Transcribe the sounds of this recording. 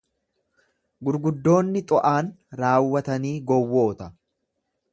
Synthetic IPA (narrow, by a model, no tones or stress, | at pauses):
ɡʊɾɡʊd̪ːo̞ːnːɪt̪ʼɔʔaːnɾaːwːɐt̪ɐniːɡɔwːo̞ːt̪ɐ